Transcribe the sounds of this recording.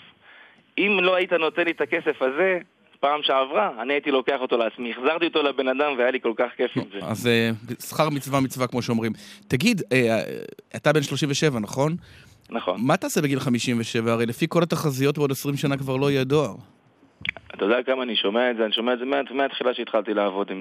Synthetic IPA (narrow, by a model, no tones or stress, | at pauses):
imlo̞ait̪ano̞t̪enlit̪akesefaze̞ | paːmʃeavʁaːniait̪ilo̞keaχo̞t̪o̞leat͡smiiχzaʁt̪iot̪olabe̞nad̪amveajaliko̞lkaχkefzea̰zesχaʁmit͡svamit͡svakmo̞ʃeo̞mʁimt̪aɡid̪ḛ | atabe̞nʃlo̞ʃiɱveʃe̞vanaχo̞n | naχo̰nmaat̪aːsebeɡilχamiʃimveʃe̞vaːʁejlefiko̞lat̪aχazijo̞t̚beodesʁimʃanakvaʁloijedoaʁ | at̪ajd̪akamaːniʃo̞meaetzeaniʃo̞meaezemeat̪meat̪χilaʃeit̪χalt̪ilaːvo̞d̪im